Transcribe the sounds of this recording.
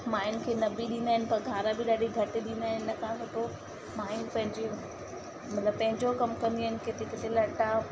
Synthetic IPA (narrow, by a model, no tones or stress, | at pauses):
maːɪnkʰeːnɐbiɗĩːnd̪aːɦɪnɪpɐɾɡʱaːɾabɪɗaːɗiɡʱɐʈɗĩːnd̪aːɦɪnɪ̆ːɐkʰãsot̪o | maːɪnpɐ̃ɦɪ̃ɲd͡ʑe | mɐt̪ləb̚pɐ̃ɦɪ̃ɲd͡ʑokɐmkɐ̃nd̪iaːɦɪnɪ̆ket̪eket̪elɐʈa